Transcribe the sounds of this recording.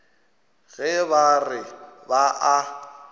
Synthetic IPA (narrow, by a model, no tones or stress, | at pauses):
ɣɛbarɪbaʔa